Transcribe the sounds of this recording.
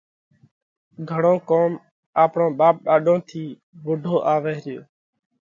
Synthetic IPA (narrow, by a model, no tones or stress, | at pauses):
ɡʱəɽ̃õːkoːm | aːpɳõːɓaːp̚ɗaːɗõːt̪ʰiː | ʋʊɖʱoːʔaːʋeːɦɾɪjoː